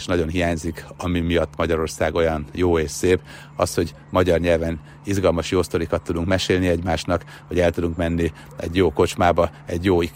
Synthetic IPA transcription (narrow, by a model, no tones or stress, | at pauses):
ʃnɒɟo̞nɦijaːɲzikɒmimijɒt̪ːmɒɟɒɾo̞rsaːɡo̞jɒnjoːeːʃseːp | ɒ̰sho̞ɟ | mɒɟɒrɲɛlvɛn | izɡɒlmɒʃjoːst̪o̞ɾikɒt̪ːud̪uŋkmɛʃeːlniɛɟmaːʃnɒk | hɒɟɛlt̪ud̪uŋkmɛnːi | ɛ̰ɟjoːko̞t͡ʃmaːbɒɛɟjoː